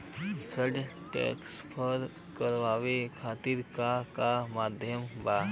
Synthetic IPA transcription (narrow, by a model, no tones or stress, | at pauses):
ɡəɖ | ʈɛ̰ːkspʰəɾ | kəɾʋaːʋekʰaːt̪iɾkakamaːd̪ʱjəmbaː